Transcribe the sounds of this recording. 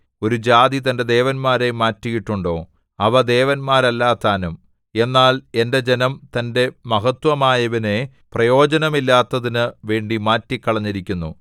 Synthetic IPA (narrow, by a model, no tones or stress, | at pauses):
o̞ɾud͡ʑaːd̪it̪ɐnded̪e̞ːʋɐnmaːɾe̞maːtːijiʈːuɳɖo̞ː | ɐʋɐd̪e̞ːʋɐnmaːɾɐlːaːt̪ːaːnum | e̞nːaːle̞nde̞d͡ʑenɐmt̪ɐnde̞mɐɦɐt̪wɐmaːjɐʋɐne̞ | prɐjo̞ːd͡ʑɐnɐmilːaːt̪ːɐðinɨʋe̞ːɳɖimaːtːikːɐɭɐɲːiɾikʲːunːṵ